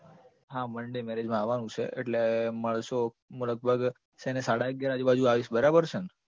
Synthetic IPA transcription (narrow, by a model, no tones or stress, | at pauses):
ɦãməɳɖemɛɾed͡ʒmãaʋanũt͡ʃʰḛʔḛʈleməɭʃo | ɦũləɡ̚bʱəɡ | ʃenesaɽaəɡjaɾad͡ʒebad͡ʒuaʋiʃbəɾabəɾt͡ʃʰən